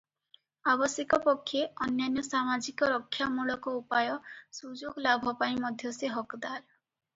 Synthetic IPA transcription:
abɔsjekɔpɔkʰːjeɔnjanjɔsamad͡ʒikɔɾɔkʰːjamuɭɔkɔupajɔsud͡ʒoɡlabʱɔpaĩmɔd̪ʱjɔseɦɔkd̪aɾ

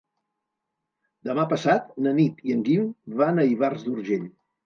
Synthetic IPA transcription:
d̪əmapəsat̪̚nənit̪iəŋɡimβanəiβarzd̪uɾʒeʎ

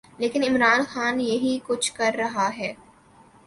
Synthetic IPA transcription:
leːkɪnɪmɾaːnxaːnjeɦikʊt͡ʃʰkɐɾːɐɦaɦɛː

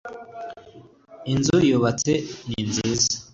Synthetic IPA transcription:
inzujoβat͡seninziːzḁ

